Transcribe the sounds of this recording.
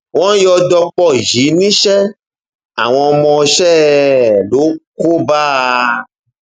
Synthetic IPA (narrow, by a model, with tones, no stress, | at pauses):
w̃ɔ̃˦jɔ˧dɔ˧k͡pɔ˦˨ji˨˦nĩ˦ʃɛ˦ | a˨w̃ɔ̃˧ɔ˧mɔ̃˧ʃɛ˦lo˨˦ko˦ba˦